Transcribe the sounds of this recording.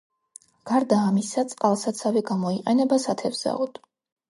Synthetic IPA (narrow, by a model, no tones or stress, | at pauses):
ɡ̥aɾd̪aːmisat̪sʼqʼalˠsat̪sʰavɛɡamɔiqʼɛnɛbasat̪ʰɛvz̥a̰ɔd̪̥